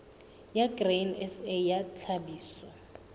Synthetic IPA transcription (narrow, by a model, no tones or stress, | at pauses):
jaɡrenɛsejat͡ɬʰabiːsɔ